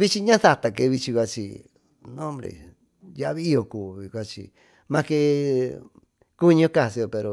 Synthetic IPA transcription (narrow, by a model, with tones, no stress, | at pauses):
βi˦t͡ʃi˧ɲã˦θa˧t̪a˧˨ke˧βi˧t͡ʃi˧kʷa˧t͡ʃḭ˧ | nõ˦mɾḛ˨ | ja˧ʔβi˦i˦o˧kuː˨βi˧kʷa˦t͡ʃḭ˧ | mã˧ke˧ | ku˦˧ɲõ˦ka˧˨si˧o˧pe˧ɾo˧